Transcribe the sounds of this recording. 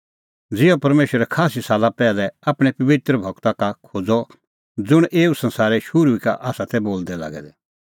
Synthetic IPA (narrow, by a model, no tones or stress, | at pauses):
d͡zɪjɔpɐɾmeːʃəɾɛkʰaːsisaːlapɛːlɛaːpɽ̃ɛpɐʋɪt̪ɾəbʱɐkt̪akakʰoːd͡zɔ | d͡zʊɽ̃ʔeːusɐ̃nsaːɾɛʃʊɾuikaʔaːsat̪ʰɛboːld̪ɛla̰ːɡɛ̰d̪ɛ